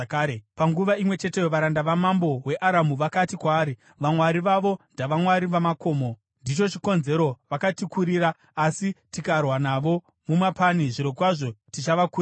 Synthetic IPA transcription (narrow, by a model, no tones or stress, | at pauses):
kaːɾepaŋɡuʋaimwe̞t͡ʃe̞te̞joʋaɾandaʋamambo̞we̞ʔaɾamuʋakatikwaːɾi | ʋamwaɾiʋaʋo̞ndaʋamwaɾiʋamako̞ːmo̞ | ndit͡ʃo̞t͡ʃiko̞nze̞ɾo̞ʋakatikuɾiːɾaː | sitikarwanaʋo̞ | mumapaniʐiɾo̞kwaʐo̞tit͡ʃaʋakuː